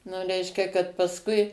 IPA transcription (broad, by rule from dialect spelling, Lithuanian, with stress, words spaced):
nʊ ˈrʲɛɪʃʲkʲɛ kɐt pɐsˈkʊɪ